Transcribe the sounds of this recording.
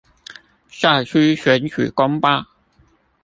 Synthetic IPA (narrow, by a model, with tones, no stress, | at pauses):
ɕa˥˨˩t͡ɕʰy˥ɕɥɛ˨˧˥nt͡ɕʰy̰˨˩kɑ˥ŋpa˥